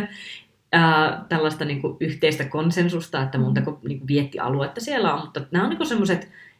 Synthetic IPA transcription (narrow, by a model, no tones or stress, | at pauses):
əːt̪ælːɑst̪ɑniːŋkuʔyht̪eist̪ækonsensust̪ɑet̪ːæmont̪ɑkoniːŋkuʋiet̪ːiʔɑ̰luet̪ːɑsielːæommut̪ːɑnæːoniːŋkusemːoset̪